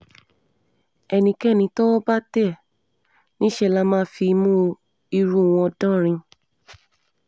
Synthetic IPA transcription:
ɛ˧nĩ˧kɛ˦˨nĩ˧tɔ˦ba˦tɛ˦˨ | nĩ˦ʃɛ˦˨la˧mãː˦fi˧mũ˦ | i˧ɾu˦˨w̃ɔ̃˧dɔ̃˦ɾ̃ĩ˧

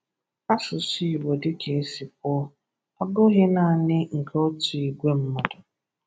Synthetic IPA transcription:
a˦sʊ˨si˦i˨wo˨dɪ˦kʰe˨e˦si˨p̚ɔ˦ | ɔ˦ɡʊ˦ɣɪ˦na˦˨nɪ˦ŋ̩˨kʰo˦tʊ˨i˨ɡʷe˦m̩˦mɔ˨dʊ˨

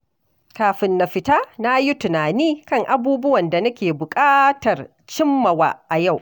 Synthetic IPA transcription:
kaː˨ɸɪ˨nːa˨ɸɪ˨ta˦na˦ji˦tʊ˨naː˨niː˦kɐ˦˨ŋʔa˨buː˦bʊ˦wɐ˨nda˨nɐ˦kʲeː˨bʊ˨kʼaː˦tɐ˨r | t͡ʃɪ˦mːɐ˨wa̰ː˨ʔa˨ja˦˨w

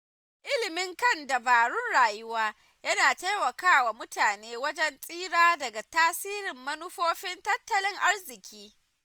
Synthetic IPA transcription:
ʔɪ˦lɪ˨mɪ˦ŋkɐ˦nda˨baː˨ɽʊ˦nɽaː˨jʊ˦waː˦ | jɐ˦naː˨ta˦jmɐ˨kaː˦wa˨mʊ˦taː˨neː˦wɐ˦d͡ʒɛ˦nsʼiː˦ɽaː˦dɐ˨ɡa˨taː˦siː˦ɾɪ˨mːɐ˦nʊ˦ɸoː˦ɸɪ˦ntɐ˦tːɐ˨lɪ˦ŋʔa˦rzɪ˨kʲʰiː˦

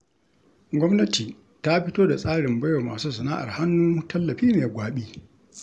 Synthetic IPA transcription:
ɡʷɔ˦mnɐ˦tiː˨ | ta˦ɸɪ˦toː˦da˨sʼaː˦ɽɪ˨mbɐ˦jo˨maː˨suː˦sɐ˨naː˦ʔa̰˨rha˦nːuː˦tɐ˦lːɐ˨ɸiː˦meː˨ɡʷaː˨ɓiː˦

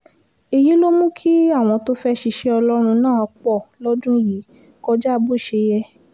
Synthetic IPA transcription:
i˧ji˨˦lo˦mũ˦kʰi˦a˦˨w̃ɔ̃˧to˦fɛ˦ʃi˧ʃe˧ɔ˧lɔ˦ɾ̃ũ˧nãː˦˨k͡pɔ˦˨lɔ˦d͡ʒũ˦˨ji˨˦ | kɔ˧d͡ʒa˦˧bu˦˨ʃe˧˦jɛ˧

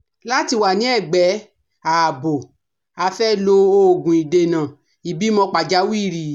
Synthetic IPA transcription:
la˦ti˦˧wa˨nĩ˨˦ɛ˦˨ɡ͡bɛ˨˦ | a˨bo˨ | a˧fɛ˦lo˧o˧˨ɡũ˨i˨de˨nã˨ | i˨bi˨˦mɔ̃˧k͡pa˨d͡ʒa˨˦wi˦˨ɾi˨

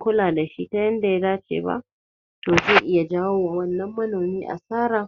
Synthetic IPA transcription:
kʷʊ˦laː˨da˨ʃi˦ta˦jɐ˦nda˨ja˦daː˦t͡ʃḛː˨ba̰˦ʔ | toː˨zeː˦˨ʔɪ˦ja˨d͡ʒaː˦woː˦waː˨wɐ˦nːɐ˦mːɐ˦noː˨miː˦ʔa̰˨saː˦ɾaː˨

